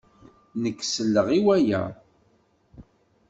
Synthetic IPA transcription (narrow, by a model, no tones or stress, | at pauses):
nəkːsəlːəʁiwæjæ̰